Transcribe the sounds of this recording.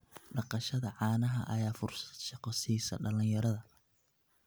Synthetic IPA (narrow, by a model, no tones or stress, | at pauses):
ɖɑqɑʃɐðɐʕɑːnɐɦɐʔɐjaːfʊrsɐ̥d̪ʃɑqɔsiːsɐ̰ɖɐlɪjɐɾɐðɐ